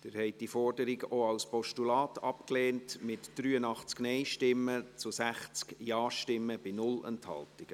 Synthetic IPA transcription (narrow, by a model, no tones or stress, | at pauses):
d̥ɪɾhɛɪt̚d̥ifɔrdəɾiɡəʔoɑwspɔʃtulɑːtʰɑpkleːntmɪtd̥ɾyːənɑχt͡sknɛɪʃtɪmːət͡sʊsæχt͡skjɑːʃtɪmːəb̥ɪnʊlə̰nthɑ̰ltɪɡ̥ə